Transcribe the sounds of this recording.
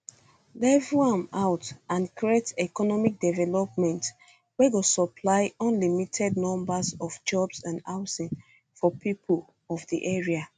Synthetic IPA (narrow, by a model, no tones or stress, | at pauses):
lɛvãmaʊtãnkɹietɛkɔnɔmik̚dɛvɛlɔp̚mɛ̃nt | wɛɡosɔpʰlaɪɔ̃nlimitʰɛdnɔ̃mbazɔfd͡ʒɔbsãndaʊsĩn | fɔpipʰol | ɔvdiʔɛɹia